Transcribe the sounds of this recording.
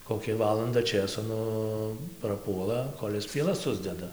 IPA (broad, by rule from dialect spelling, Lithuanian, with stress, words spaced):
koːˈkʲɛ ˈʋɑːlˠɐndɐ ˈt͡ʃʲeːsoː ˈnʊ prɐˈpuɔlˠɐ ˈkoːlʲ ɪs pʲiɛˈlˠɐs ˈsʊzʲdʲɛdɐ